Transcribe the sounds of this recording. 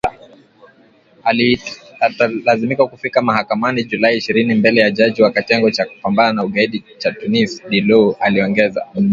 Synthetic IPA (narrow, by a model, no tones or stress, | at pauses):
atalazimikakufikamahakamanid͡ʒulaiːʃiɾinimbɛlɛjaʄaʄiwakatɛŋɡɔt͡ʃaku̥pambananauɠaiɗit͡ʃatunisɗilɔaliɔŋɡɛza̰